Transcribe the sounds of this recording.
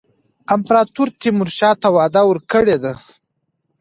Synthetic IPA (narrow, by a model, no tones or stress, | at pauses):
ɪmpɾɑt̪uɾt̪imʊɾʃɑt̪awɑd̪awəɾkəɽed̪a